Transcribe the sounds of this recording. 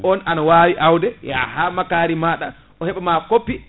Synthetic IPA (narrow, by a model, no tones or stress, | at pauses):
ɔnanawaːwiʔawdɛja̰haːmakaːɾimaɗa̰ | ɔhɛɓɛmakopːi